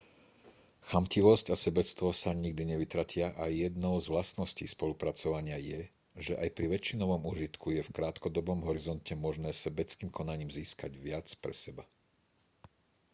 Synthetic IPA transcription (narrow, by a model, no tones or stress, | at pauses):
xamciʋɔscasɛbɛt͡st̪ʋɔsaɲiɡ̚d̪iɲɛʋit̪ɾacɪaʔajɛd̪nɔʊzʋlasnɔscḭːspɔlupɾat͡sɔʋaɲɪajɛ | ʒɛʔajpɾiʋɛt͡ʃːinɔʋɔmuʒit̪kujɛfkɾaːt̪kɔd̪ɔbɔmɦɔɾizɔncɛmɔʒnɛːsɛbɛt͡skiːmkɔnaɲiːmziːskaɟʋɪat͡spɾɛ̰sɛba